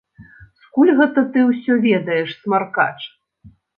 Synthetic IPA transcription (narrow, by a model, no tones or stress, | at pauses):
skulʲɣɛt̪ɐt̪ɨwsʲɔvʲɛd̪ɐjɛʂsʲmarka̰t͡ʂ